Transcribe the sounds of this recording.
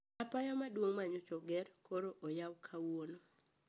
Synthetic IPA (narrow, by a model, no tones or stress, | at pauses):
apajɔmadwoŋmaɲot͡ʃɔɡɛrkoɾoʔɔjawkʰawono